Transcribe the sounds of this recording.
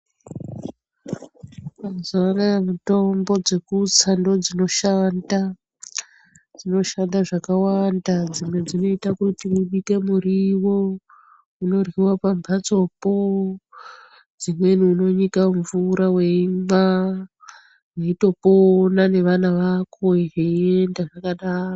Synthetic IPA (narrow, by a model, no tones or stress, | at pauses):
mazanajemuto̞mbo̞d͡ze̞kut͡sando̞d͡zino̞ʃanda | d͡zino̞ʃandaʐakawandad͡zimwe̞d͡zino̞itakutiuɓike̞muriwo | uno̞rwiwapambʱat͡so̞po | d͡zimwe̞nuːno̞ɲikaɱvuɾawe̞ima | weito̞ponane̞ʋanaʋakʰo̞iɦeie̞ndaʐakaɗaːro